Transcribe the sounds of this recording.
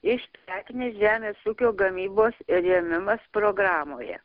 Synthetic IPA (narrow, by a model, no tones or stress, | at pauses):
ɪʃʲt̪ʲæːkʲnʲeːʒʲæːmʲeːsuːkʲoːɡɐmʲiːboːsɪɾɛmʲɪmɐspɾoːɡɾɑːmoːjɛ̰